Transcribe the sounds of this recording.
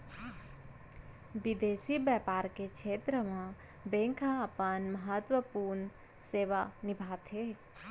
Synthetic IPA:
ʋɪd̪eːsibɛpaːɾkekʃʰeːt̪ɾəmã | bẽŋkʰaəpənməɦət̪wəpuːɾɳ | seːʋanɪbʱaːt̪ɦe

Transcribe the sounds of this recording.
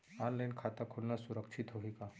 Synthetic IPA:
ɔnlajinkʰat̪akʰuɽnasuɾəkʂʰit̪ɦoɦika

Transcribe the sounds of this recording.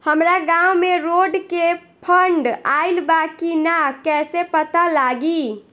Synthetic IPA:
həmɾaɡãumeɾoɖke | pʰəɳɖaɪlbakinakɛsepət̪alaɡi

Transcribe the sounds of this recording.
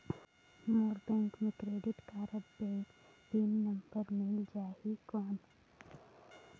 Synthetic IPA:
moːɾbɛ̃ŋkmẽkɾeːɖɪʈkaːɾəbbe | binnɐmbəɾmɪld͡ʒaːɦikɔːn

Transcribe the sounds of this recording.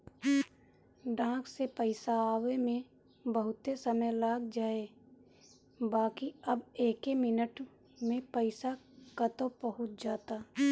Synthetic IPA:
ɖãːksepəɪsaaːʋemẽ | bəɦʊt̪esəməjlaːɡd͡ʒaːe | baːkiəbeːkemɪnəʈ | mẽpəɪsa | kat̪opəɦʊt̪̚d͡ʒaːt̪aː

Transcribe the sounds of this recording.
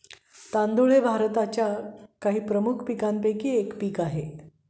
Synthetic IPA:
t̪ãnd̪uɭ̤ebʱaɾt̪at͡ɕjakaɦiːpɾəmukʰpikampekiːekpiːkaɦe

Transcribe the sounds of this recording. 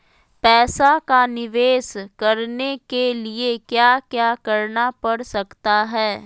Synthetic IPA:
pɛːsakanɪʋeːskɐɾnekeliekjaːkjaːkɐɾnapɐɽsɐkt̪aɦɛː

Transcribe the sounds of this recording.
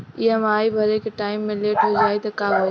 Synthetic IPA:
iɐmaːibʱɐɾekeʈaːɪmːẽleːʈɦod͡ʒaːet̪ɐkaːɦoe

